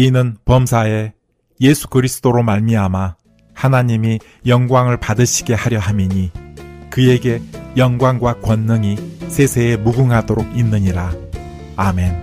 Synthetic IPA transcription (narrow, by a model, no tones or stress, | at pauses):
inɯnpʌmsʰae̞ | je̞sʰu̥kɯɾisʰɯ̥d͈oɾomaɭmiama | hanaɲimi | jʌŋɡwaŋɯɭpadɯɕʰi̥ɡe̞haɾjʌɦamiɲikɯe̞ɡe̞jʌŋɡwaŋɡwakwʌnːɯŋisʰe̞sʰe̞ːmuɡuŋɦadoɾoɡinːɯɲiɾa | ame̞n